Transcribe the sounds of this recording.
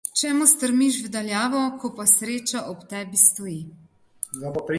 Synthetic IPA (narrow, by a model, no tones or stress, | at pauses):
t͡ʃɛːmust̪əɾmiʃvd̪aljaːʋɔkɔpasɾeːt͡ʃaʔɔpt̪ɛːbist̪ɔi | zabɔpɾ